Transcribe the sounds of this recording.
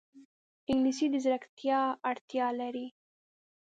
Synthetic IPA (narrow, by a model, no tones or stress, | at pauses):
ɪŋɡlisid̪əzɾakt̪jɑaɽt̪jɑlaɾi